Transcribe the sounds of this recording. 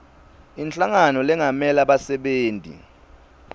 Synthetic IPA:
int͡ɬʼaŋanɔlɛŋamɛlaɓasɛɓeːntʼḭ

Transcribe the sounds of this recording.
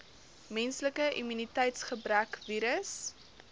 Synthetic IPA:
mɛnsləkəʔimynitɛjtsχəbrækviːɾəs

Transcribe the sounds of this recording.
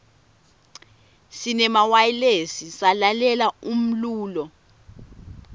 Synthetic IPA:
sinɛmawajilesisalalɛlaum̩luːlɔ

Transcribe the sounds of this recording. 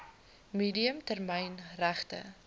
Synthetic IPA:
miːdiəmtærmɛjnræχtə̰

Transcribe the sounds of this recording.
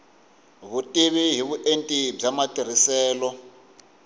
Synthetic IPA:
βutʼiβiɦiβuʔentʼib͡ʐamatʼir̤isɛːlɔ

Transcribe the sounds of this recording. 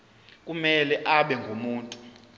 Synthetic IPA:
k̬ʼumɛlɛʔaɓɛŋɡʱomuːntʼu

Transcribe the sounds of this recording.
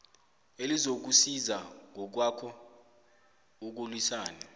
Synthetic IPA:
elizok̬usizaŋɔk̬wakʰɔ | uk̬ulwisaːna

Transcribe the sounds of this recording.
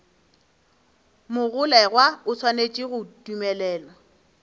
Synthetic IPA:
mʊɣʊlɛɣwaʊsʰwanet͡ʃʼiɣʊdumɛlɛːlɔ

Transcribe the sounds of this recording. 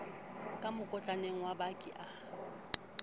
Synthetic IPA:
kʼamʊkʼɔt͡ɬʼaneŋ̩wabakʼɪʔa

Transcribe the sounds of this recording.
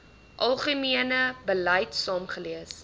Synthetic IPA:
ʔɐlˠχəmiənəbəlɐjtsɑːmχəliəs

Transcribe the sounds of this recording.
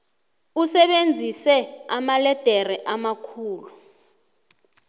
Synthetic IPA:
usɛɓend͡zʱisɛamalɛd̥ʱɛrɛʔamakʰuːlu

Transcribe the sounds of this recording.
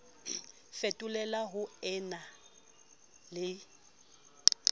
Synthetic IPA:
fetʼʊlɛlaɦʊɛna | lɪ

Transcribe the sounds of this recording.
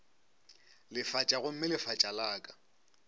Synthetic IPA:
lɪfat͡ʃʼaɣʊm̩mɪlɪfat͡ʃʼalaːkʼḁ

